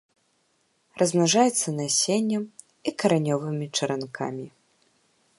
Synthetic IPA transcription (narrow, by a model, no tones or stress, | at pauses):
rʔɐzmnaʐajɛt̪sːɐnasʲenʲːɐm | ikɐɾanʲɔvɨmʲit͡ʂɐɾankʰa̰mʲi